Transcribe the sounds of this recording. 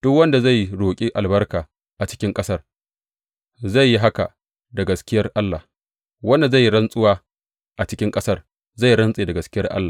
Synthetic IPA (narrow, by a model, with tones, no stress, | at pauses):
d̥ʊ˦kwɐ˦nda˨za˦˨jɽoː˨kʲʼi˦ʔa˨lbɐ˦rkaː˨ | ʔa˨t͡ʃɪ̥˦kʲɪ˦ŋkʼɐ˦sɐ˦r | za˦˨jːi˦ɦa˦ka̰˨ | da˨ɡɐ˨skʲɪ˦jɐ˦rʔa˦lːa˨ | wɐ˦nda˨za˦˨jːi˦ɽɐ˦nsʼʊ˦waː˦ | ʔa˨t͡ʃɪ˦kʲɪ˦ŋkʼɐ˦sɐ˦r | za˦˨jɾɐ˦nsʼeː˨da˨ɡɐ˨skʲɪ˦jɐ˦rʔa̰˦lːaː˨